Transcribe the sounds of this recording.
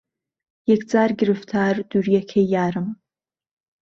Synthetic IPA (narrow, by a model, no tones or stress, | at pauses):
jekʰd͡zaːrɡʲɪrɨftʰaːrdurjakʲʰejaːɾɨm